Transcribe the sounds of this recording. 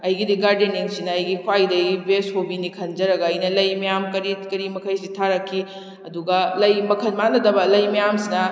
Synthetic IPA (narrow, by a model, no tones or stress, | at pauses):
ɐjɡidiɡaɾdeniŋsinɐɐjɡikʰwajdɐɡibeshobinikʰɐnd͡ʒɐɾɐɡɐɐjnɐlɐjmɐjamkɐɾikɐɾimɐkʰɐjsitʰaɾɐkʰːi | ɐduɡɐlɐjmɐkʰɐnmanɐdɐbɐlɐjmɐjamsinɐ